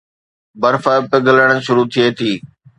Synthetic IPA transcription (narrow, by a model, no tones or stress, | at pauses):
bɐɾfəpɪɡʱələɽ̃ʃʊɾut̪ʰiet̪ʰiː